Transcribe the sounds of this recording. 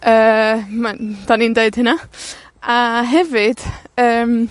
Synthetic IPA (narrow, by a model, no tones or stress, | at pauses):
əːmand̥aniːndeɨd̥hɪna | aɦɛvɨd̥əːm